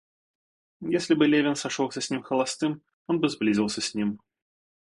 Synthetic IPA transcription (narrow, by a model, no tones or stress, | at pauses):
jesʲlʲibɨlʲevʲɪnsaʂɔwsʲɐsʲnʲimxɐlˠast̪ɨm | ɔnbɨzblʲizʲiwsʲɐsʲnʲim